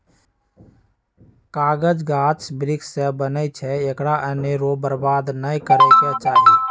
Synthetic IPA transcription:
kaːɡəd͡ʒɡaːt͡ʃbɾɪksebənət͡ʃʰɛekɽaʔəneɾoːbəɾbaːd̪nəĩkəɾeket͡ʃaːɦi

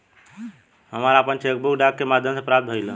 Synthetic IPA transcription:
ɦəməɾaəpənt͡ʃek̚bukɖakːemad̪ʱjəmsepɾat̪̚bʱəjlə

